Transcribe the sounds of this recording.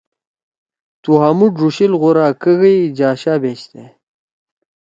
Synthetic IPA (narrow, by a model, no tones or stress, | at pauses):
t̪uɦamuɖʐuɕilɣuɾaːkəɣəjd͡ʑaːɕaːbeːɕt̪e